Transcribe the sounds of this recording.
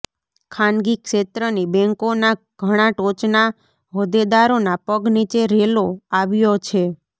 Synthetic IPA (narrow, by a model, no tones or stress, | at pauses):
kʰanɡikʃet̪ɾənibɛ̃ŋkona | ɡ̥ʱəɽ̃aʈot͡ʃna | ɦod̪ed̪aɾonapəɡnit͡ʃeɾeloaʋjot͡ʃʰe